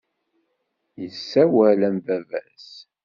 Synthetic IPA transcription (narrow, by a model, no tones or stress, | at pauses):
jəsːæwælæmvævæ̰s